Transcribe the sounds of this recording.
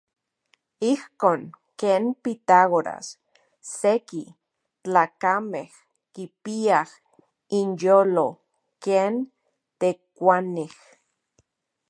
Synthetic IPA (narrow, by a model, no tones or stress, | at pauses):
ihkoːŋ | keːnpit̪aɣoɾa̰sː | eki | t͡ɬaːkameh | kipiah | injoːlo | keːn | t̪ekʷanih